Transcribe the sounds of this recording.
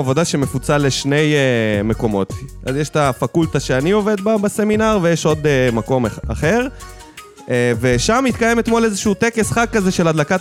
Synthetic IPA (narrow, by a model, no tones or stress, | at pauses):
avo̞d̪aʃeme̞fut͡saleʃne̞jeme̞ko̞mo̞t̪a̰zjeʃt̪afakult̪aʃeanio̞ved̪̚babase̞minaʁvejeʃo̞d̪emako̞ma̰χe̞ʁ | ve̞ʃamit̪kaje̞met̪mo̞lezeʃuut̪ekesχakkːaze̞ʃe̞ladlaka